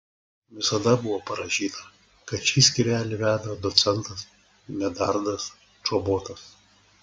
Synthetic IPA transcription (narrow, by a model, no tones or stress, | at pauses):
ʋʲɪsɐd̪ɐbʊʋoːpɐɾɐʒʲiːt̪ɐ | kɐt̪ʃʲiːsʲkʲɪɾʲæːlʲɪʋʲæːd̪ɐd̪ɔt̪sʲɛnt̪ɐs | nʲɛd̪ɐɾd̪ɐs | t͡ʃoːboːt̪ɐs